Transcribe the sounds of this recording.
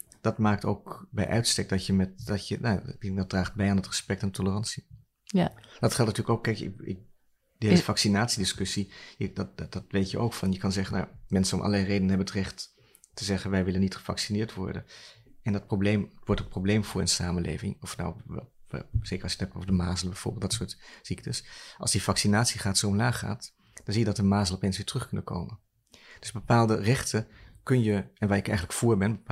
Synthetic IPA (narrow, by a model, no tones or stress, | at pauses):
d̥ɑtmaːk̚to̰wkbɛ̰jʔœ̰ɥtstɛk̚d̥ɑtjəmɛt̚dɑtjənadɑt̚d̥raːχd̚bɛjaːnətrəspɛktantʰɔlərɑnsi | d̥ɑtχɛlˠtntyːɹləkowkːɛjkɪ̰ɪ̰k | dəeəfɑksinaːtsidɪskɵsijəddɑtʋejtjəʔowkfɑnjəkɑnzɛχənːa̰mɛnsənɔmʔɑ̰ləlɛjrejdənəɦɛbənətrɛχtː | əzɛχənʋɛjʋɪlənːitχə̥vɑ̰ksinɪːɹtʋɔ̰ɹdə̰nɛndɑt̚problejmʋɔɹtətprowblejmvʊːɹə̰nsaːmənlʔḛːvɪ̰ŋɔfna̰w̰ | z̥ejkəɹɑlsjətɛpo̰vədəmaːzəlˠbɛjvʊ̰ːbɪlˠdɑtsʊːɹtziktʰəsʔɑlˠzdivɑksinaːtsiχaːtsowmlaːχa̰ːt | d̥ɑnzijədɑtəmaːzəl̩ˠɔpeːnsʋɪːɹtrɵχkɵnənkʰo̰wmən | d̥ɵzbəpaːlˠdərɛχtəkɵnjəɛnʋaːɹɪkɛjχənləkfʊːɹbɛnb